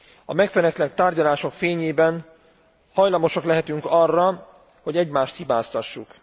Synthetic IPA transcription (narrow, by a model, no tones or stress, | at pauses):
ɒmɛkfɛnɛkt̪lɛkt̪aːrɟɒlaːʃo̞kfeːɲeːbɛn | hɒjlɒmo̞ʃɒklɛɦɛt̪yŋkɒrːɒ | ho̞ɟɛɟmaːʃt̪hibaːst̪ɒʃːuk